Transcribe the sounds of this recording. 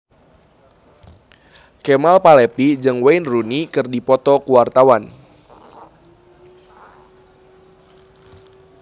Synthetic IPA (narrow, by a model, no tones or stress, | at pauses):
kɛmalpalɛpid͡ʒɨŋweinrunikɨrdipɔt̪ɔkuwart̪awan